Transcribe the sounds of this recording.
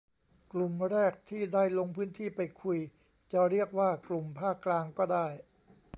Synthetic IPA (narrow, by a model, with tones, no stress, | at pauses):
klu˨˩mɾɛː˥˩k̚t̪ʰiː˥˩daː˥˩jlo˧ŋpʰɯː˦˥nt̪ʰiː˥˩pa˧jkʰu˧j | t͡ɕa˨˩ɾi˥˩ək̚waː˥˩klu˨˩mpʰaː˥˩kːlaː˧ŋkɔː˥˩daː˥˩j